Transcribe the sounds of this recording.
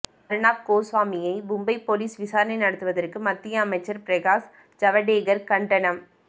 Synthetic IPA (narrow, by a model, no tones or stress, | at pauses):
ɐɾɯɳaːp̚koːsʋaːmɪjɐɪbʊmbɐɪpːoliːsʋɪsaːɾɐnɐɪnɐɽɐt̪ːɯʋɐðɐrkɯmɐt̪ːɪjɐːmɐɪt͡ʃːɐɾpɪɾeɣaːs | d͡ʒɐʋɐɖeːɡɐɾkɐɳɖɐɳɐm